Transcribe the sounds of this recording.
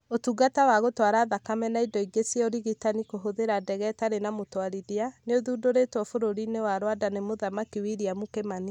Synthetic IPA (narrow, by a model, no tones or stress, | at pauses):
otuɡatawaɣotwaɾaːðakamɛnaidɔiɡesioɾiɣitanikoɦoðeɾadɛɣɛtaɾenamotwaɾidianeoðuːdoɾetwɔfoɾoɾinewaɾwadanemoðamakiwiɾiamukemani